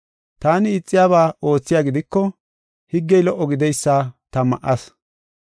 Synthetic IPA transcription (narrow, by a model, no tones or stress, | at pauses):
t̪aːnɪɪt͡sʼːɪjaːβaːo̞ːt͡sːɪjaːɡɪd̪ɪkːɔ | hɪɡːɛjlɔʔːɔɡɪd̪ɛjsːaːt̪ɐmɐ̰ʔɐs